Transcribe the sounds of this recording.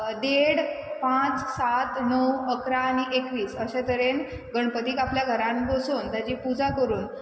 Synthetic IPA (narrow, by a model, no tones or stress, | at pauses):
d̪eɽpãt͡ssat̪nəwəkɾaːniʔekʋiːsəɕẽt̪əɾen | ɡəɳ̃pət̪iːkapljaɡʱəɾãmɡosoːnt̪jad͡ʑiːpud͡zakəɾuːn